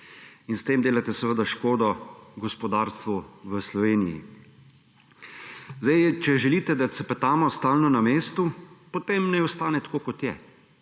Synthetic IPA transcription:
inst̪eːmd̪eːlat̪ɛsɛʋəd̪aʃkoːd̪ɔɡɔspɔd̪aːɾst̪ʋuʋəslɔʋeːnijḭ | zd̪ajt͡ʃɛʒɛliːt̪ɛd̪at̪sɛpɛt̪aːmɔst̪aːlnɔnameːst̪upot̪emnɛɔst̪aːnɛt̪ḁkoːkɔt̪jɛ̰

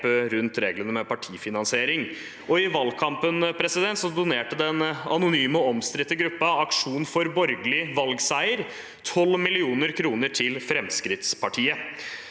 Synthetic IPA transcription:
ɾʉnt̪ɾeːɡlənəmɛpɑʈʰiːfɪnɑnsɪeːɾɪŋ | ɔɪʋɑlkʰɑmpənpʰɾɛsɪd̪ɛnt̪sɔd̪ʊneːʈəd̪ɛnɑ̰nʊnyːmɔɔmst̪ɾɪt̪ːəɡɾʉpːɑɑkʂuːnfɔɾbɔɾɡəlɪʋɑlɡsæɪəɾ | t̪ʰɔlːmɪlɪuːnəɾkʰɾuːnəʈʰɪlfɾɛmskɾɪt̪spʰɑʈʰiːə

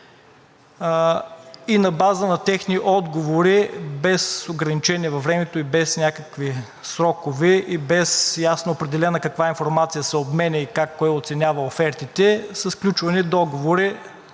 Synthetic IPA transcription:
inɐbazənɐt̪ɛxniʔɔd̪ɡovoɾibɛsoɡɾɐnit͡ʃɛniɛvɐvɾɛmɛt̪oibɛsnʲakəkvi | sɾɔkovɛibɛsjasnoːpɾɛd̪ɛlɛnəkɐkvainfoɾmat̪sijəsɛobmɛnʲɛikakːɔɛot̪sɛnʲavɐofɛɾt̪it̪ɛsəsklʲut͡ʃvɐnid̪ɔɡovoɾi

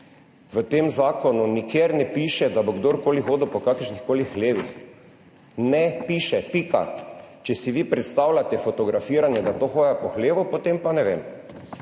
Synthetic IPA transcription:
ʋət̪eːmzaːkɔnunikʰjeːɾnɛpiːʃɛd̪aboɡd̪oːɾkoːlixoːd̪ɔpɔkakəɾʃnixkoːlixxleːʋix | nɛpiʃɛpika̰t͡ʃɛsiʋiːpɾɛt̪st̪awlʲat̪ɛfot̪ɔɡɾafiːɾanjɛd̪at̪oxoːjapɔxleːʋupot̪empanɛʋeːm

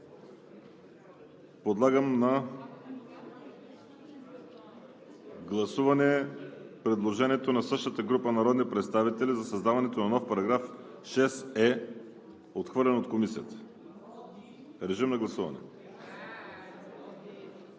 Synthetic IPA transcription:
pod̪lˠaɡəmnɐ | ɡlˠɐsuvɐnɛpɾɛd̪lˠoʒɛniɛt̪onɐsɤʃt̪ət̪əɡɾupənɐɾɔd̪nipɾɛt̪st̪avit̪ɛlizɐsɐzd̪avɐnɛt̪onɐnɔfpɐɾɐɡɾaf | ʃɛsɛ | ot̪xvɤɾlʲɛnot̪komisijət̪ə̥ | ɾɛʒimnɐɡlˠɐsuvɐnɛ̰

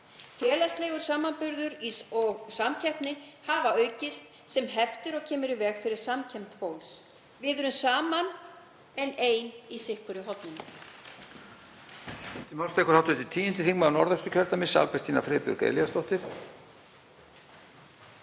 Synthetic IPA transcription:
fʰjɛːlast̪lɛːɣʏɾ̥saːmanpʏɾðʏɾiɔɣsamcʰɛhpnɪhavaœːɥcɪst̪ | sɛmɦɛft̪ɪɾɔɣcʰɛːmʏɾɪvɛːɣfɪɾɪɾ̥samcʰɛm̥t̪fowls | vɪðʏɾʏmsaːman | ɛneːjnisɪhkʏɾʏɦɔt̪nɪn | t̪ɪmhawlst̪ɛːkʏɾ̥hawt̪ʏːt̪ɪt̪ʰiːɪnt̪ɪθikmanɔɾðɛst̪ʏcʰœɾt̪amɪsːa̰lpɛr̥t̪iːna̰fɾɪːpʏ̰ɾkḛjlijast̪ɔht̪ɪθ

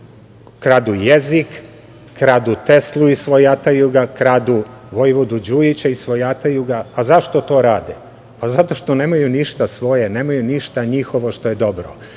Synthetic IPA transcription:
kɾad̪ujezikː | ɾaːd̪ut̪e̞slˠuisʋojat̪ajuɡakɾaːd̪uʋojʋod̪ud͡ʑuit͡ɕaisʋojat̪ajuɡaːzaʃt̪o̞t̪o̞ːɾaːd̪e | pazat̪o̞ʃt̪oneːmajuniʃt̪asʋo̞jeneːmajuniʃt̪aɲixo̞ʋoʃt̪o̞jed̪o̞bɾo̰

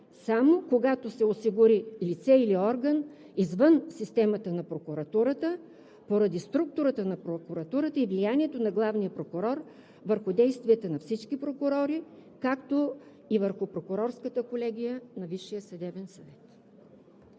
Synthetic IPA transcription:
samokoɡat̪osɛosiɡʊɾilit̪sɛiliɔɾɡən | izvənsist̪ɛmət̪ənɐpɾokʊɾɐt̪uɾət̪ə | poɾɐd̪ist̪ɾuk̚t̪ʊɾət̪ənɐpɾokʊɾɐt̪uɾət̪əivlijaniɛt̪onɐɡlˠavnijəpɾokʊɾɔɾ | vəɾxʊd̪ɛjst̪viɛt̪ənɐfsit͡ʃkipɾokʊɾɔɾikakt̪o | ivəɾxʊpɾokʊɾɔɾskət̪əkolɛɡʲijənɐviʃːijəsɐd̪ɛbɛnsɐvɛt̪

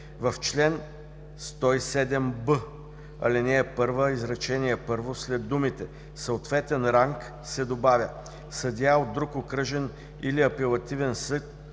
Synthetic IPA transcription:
vɐft͡ʃlɛn | st̪ɔisɛd̪ɛmbə | ɐ̰linɛːpɤɾvəizɾɐt͡ʃɛnʲijɛpɤɾvoslɛd̪d̪ːumit̪ɛ | səot̪vɛt̪ɛnɾaŋk | sɛd̪obavʲjə | sɐd̪ʲjaod̪̚d̪ɾukokɾəʒɛn | iliɐpɛlˠɐt̪ivɛnsɤk̪̚

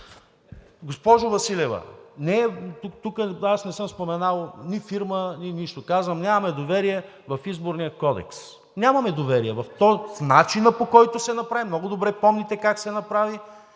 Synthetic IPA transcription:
ɡospɔʒʊvɐsilɛvɐ̰nɛt̪ut̪ukəasnɛsɤmspomɛnalˠnifiɾmənʲiniʃt̪okazvɐmnʲjamɐmɛd̪ovɛɾiɛ | vɐfizboɾnijəkɔd̪ɛ̰ks | nʲamɐmɛd̪ovɛɾiɛvɐft̪ɔfnat͡ʃinəpokɔjt̪ʊsɛnɐpɾavimnɔɡʊd̪obɾɛpɔmnit̪ɛkaksɛnɐpɾavi

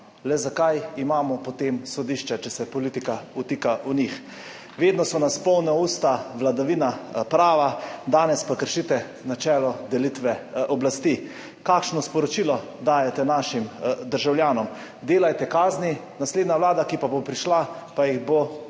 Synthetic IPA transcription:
lɛzakajimaːmɔpɔt̪emsɔd̪iʃt͡ʃat͡ʃɛsɛpɔlit̪ikaut̪iːkaʔunix | ʋeːd̪nɔsɔnaspɔwnɛuːst̪aʋlad̪aʋiːnapɾaːʋad̪aːnɛspakəɾʃit̪ɛ | nat͡ʃɛːlɔd̪ɛlit̪ʋɛɔblast̪i | kakʃnɔspɔɾɔt͡ʃiːlɔ | d̪aːjɛt̪ɛnaʃimd̪əɾʒawljaːnɔm | d̪eːlajt̪ɛkaːzni | nasleːd̪nawlaːd̪akipabopɾiʃla | pajiɣbo

